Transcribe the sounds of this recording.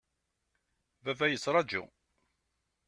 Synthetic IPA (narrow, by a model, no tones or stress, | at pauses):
vævæjəsːɾˤɑd͡ʒṵ